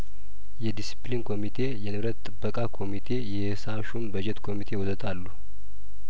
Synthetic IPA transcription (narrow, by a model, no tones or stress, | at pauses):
jɛd̪isi̥plinkʰo̞mit̪ʰe̞jɛnɨβɾət̪ʼːɨbːəkʼakʰo̞mit̪ʰe̞jɛ | saʃumbəd͡ʒɛt̪kʰo̞mit̪ʰe̞wɔsət̪ʰalːu